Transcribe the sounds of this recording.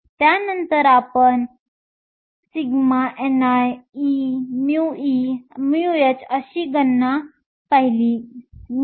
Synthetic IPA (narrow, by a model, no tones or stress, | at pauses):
t̪janənt̪əɾapən | siɡmaʔɛnajimuimiujət͡səɕiːɡənːa | paɦili